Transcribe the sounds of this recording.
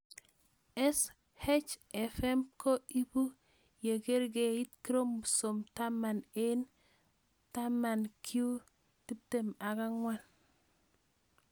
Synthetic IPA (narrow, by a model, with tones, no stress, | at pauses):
ɛ˦s | hɛ˦t͡ʃɛ˨fɛ˦mko˦i˦bu˦ | je˨ɡe˦ɾɡe˨i˦tki˦ɾo˦m˨so˨mta˦ma˨nen | ta˦ma˨nkʰju˦ | ti˦p̚te˨ma˨ɡa˦ŋwa˦n